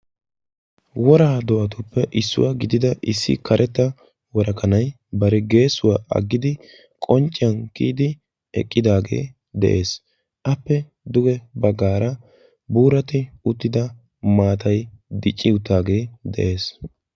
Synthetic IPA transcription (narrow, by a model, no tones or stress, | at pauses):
wɔɾaːd̪ɔʔɐt̪ʊpːɛʔɪsːʊ̰waɡɪd̪ɪd̪ɐʔɪsːɪ̰kʰɐɾʔɛt̪ːɐ | wɔɾɐkɐnɐj | bɐɾɛɡe̞ːsːʊwaːʔɐ̰ɡːɪd̪ɪ | kʼɔnt͡ʃʼːɪjɐnkḭːd̪ɪ | ɛ̰kʼːɪd̪aːɡe̞̰ː | d̪ɛ̰ʔe̞ːs | ʔɐpːɛ | d̪ʊɡɛbɐɡaːɾɐ | buːɾɐt̪ɪʊt̪ːɪd̪ɐ | maːt̪ɐjd̪ɪt͡ʃʼːɪʊt̪ːaːɡe̞ːd̪ɛ̰ʔe̞ːs